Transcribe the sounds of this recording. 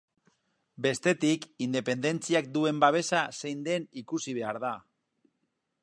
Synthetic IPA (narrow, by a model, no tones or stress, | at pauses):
be̞st̪e̞t̪ikind̪e̞pe̞nd̪e̞nt͡siak̚d̪ue̞mbaβ̞e̞sasejnd̪e̞nikusiβ̞e̞aɾða